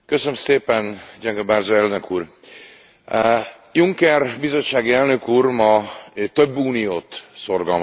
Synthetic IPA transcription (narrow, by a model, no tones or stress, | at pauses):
køsønømseːpɛnd͡ʒɛŋɡɛbaːrzoɛlnøkuːr | juŋkɛrbizo̞t͡ʃːaːɡiɛlnø̞kuːrmɒt̪øbːuːnijoːt̪so̞rɡɒlm